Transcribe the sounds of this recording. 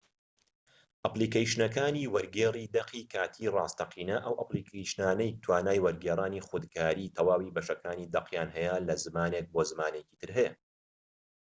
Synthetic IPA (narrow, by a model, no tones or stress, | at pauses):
ʔɐpliːkejʃnɐkaːniːwɐɾɡeːriːd̪ɐqiːkʰaːt̪ʰiːrˤɑːst̪ɐqʰiːnɐʔɐwʔɐ̰plikʰejʃnaːnɐjk̚t̪ʰwaːnaːjwɐɾɡeːɾˤaːniːχʊd̪ɡaːɾiːt̪ʰɐwaːwiːbɐʃɐkaːniːd̪ɐqjaːnɦɐjɐlɐzɨmaːnek̚boːzɨmaːneci̥ːt̪ʰɨɾɦɛjɐ